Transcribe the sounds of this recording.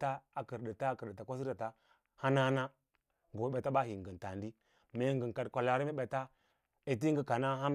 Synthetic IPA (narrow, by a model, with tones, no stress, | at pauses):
ta˦a˨kə˨ɾdə˨ta˦kə˨da˨ta˨kʷa˦s̬i˦a˨ta˦ | ha˦na˦na˦ | ŋɡo˨˦ɓe˨ta˦ba˦ɦi˨ŋ˨ɡə˨n˨ta˨ndi˦ | me˨˦ŋɡə˨ŋ˨ka˨dkʷa˨la˨ɾi˦me˦ɓe˨ta˦ | e˨t̬i˦ŋɡə˦ka˨na˦ɦa˦m